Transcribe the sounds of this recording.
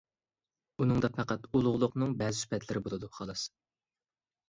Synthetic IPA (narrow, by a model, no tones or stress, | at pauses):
unɨŋd̪ɑpʰæqæt̪ulˠʊʁlˠʊqnɨŋbɛːzɪsy̥pʰɛt̪ʰlɪɾɪbolˠɨd̪uχɑlˠɨs